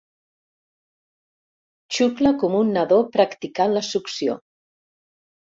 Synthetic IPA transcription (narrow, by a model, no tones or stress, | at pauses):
t͡ʃukləkɔmunːaðopɾakt̪ikaləsuksio̰